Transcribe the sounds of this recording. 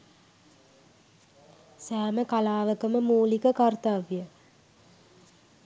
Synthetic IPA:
sæːməkalaːʋəkəməmuːlikəkart̪aʋjə

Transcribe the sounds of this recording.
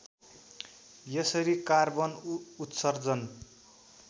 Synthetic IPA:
jʌsʌɾikarbʌnut̪sʌrd͡zʌn

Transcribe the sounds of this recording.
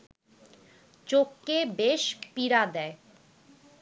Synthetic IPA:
t͡ɕokːebeʃpiɾad̪ɛe

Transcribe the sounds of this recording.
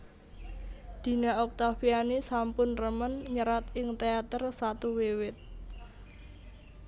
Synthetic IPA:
d̪̥i̤naɔk̚t̪afianisampʊnrəmənɲəɾat̪ɪŋt̪eat̪ərsat̪uwewɪt̪̚

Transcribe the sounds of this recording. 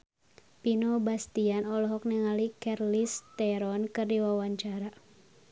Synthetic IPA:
pinobast̪ianɔlɔɦɔk̚nɛŋalikɛrlist̪ɛɾɔnkɨrdiwawaɲt͡ʃaɾa

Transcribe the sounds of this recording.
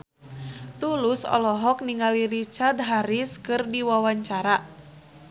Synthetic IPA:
t̪ulʊsɔ̰lɔɦɔk̚niŋaliɾit͡ʃard̪̚ɦaɾiskɨrdiwawaɲt͡ʃaɾa

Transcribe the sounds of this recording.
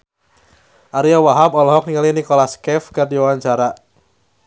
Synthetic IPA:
ʔaɾiawaɦapɔlɔɦɔk̚niŋalinikɔlaskɛfkɨrdiwawaɲt͡ʃaɾa

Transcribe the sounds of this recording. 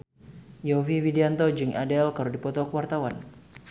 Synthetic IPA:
jɔviwidiant̪ɔd͡ʒɨŋʔadɛlkaɾudipɔt̪ɔkəwart̪awan

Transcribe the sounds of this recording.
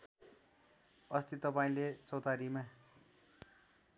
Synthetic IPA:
ʌst̪it̪ʌpaĩlet͡sʌwt̪aɾima

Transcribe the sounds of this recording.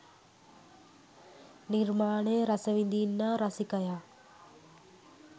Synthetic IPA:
niɾmaːɳeːɾɐsəʋĩnd̪inːaɾɐsikɐjaː

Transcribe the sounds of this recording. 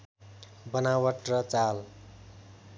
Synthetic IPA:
bʌnawʌʈrʌt͡sal

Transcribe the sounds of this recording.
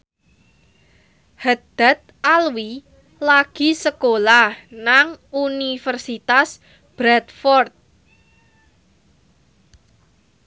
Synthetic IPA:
had̪̥a̤t̪̚alwi | laɡ̥i̤səkolahnaŋunifərsit̪as | b̥ɾɛt̪fɔrt̪̚

